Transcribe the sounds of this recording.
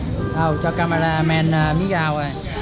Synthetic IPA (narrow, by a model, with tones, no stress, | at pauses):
ʔa˧˩wt͡ɕɔː˧ka˧ma˧ɾaː˧mɛː˧naː˧˩mi˦˥kaː˧wa˧˩